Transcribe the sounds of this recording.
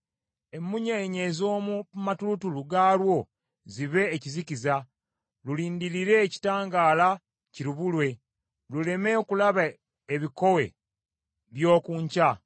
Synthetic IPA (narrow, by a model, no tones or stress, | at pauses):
e̞mːuɲeɲe̞zo̞ːmumatulutuluɡaːlwo̞ | ziβe̞ːciziciza | luliːndiɾiɾe̞ːci̥taːŋɡaːla | ciɾuβulwe̞ | lule̞me̞okulaβa | eβiko̞we̞ | βjo̞ːkuːɲca